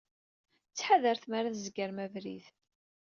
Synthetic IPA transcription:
t͡sːħaðəɾθmaɾaθzɡəɾmævɾið

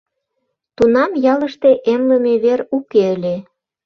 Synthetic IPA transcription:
t̪unɑmjɑlə̆ʃt̪eʔemlə̆meβeɾukeəlʲe

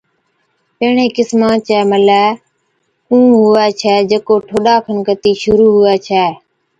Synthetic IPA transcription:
pəːɳẽːkɪsmãːt͡ʃɛːməlɛː | ũːɦʊɛːt͡ʃʰɛːd͡ʒəkoːʈʰoːɗaːpʰənkət̪iːʃʊɾuːɦʊɛːt͡ʃʰɛː

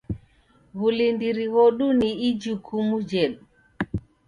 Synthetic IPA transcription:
ɣulindiɾiɣɔɗuniid͡ʒukʰumud͡ʒɛɗ

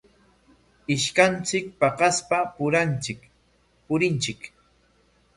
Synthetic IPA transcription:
ɪʃkant͡sɪk̚pɑqɑspapʊɾant͡ʃɪk | pʊɾɪnt͡ʃɪk

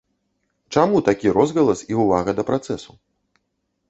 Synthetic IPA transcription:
t͡ʂamut̪akʲiɾɔzɣɐlˠɐsiuvaɣɐd̪ɐpɾat̪sɛsu

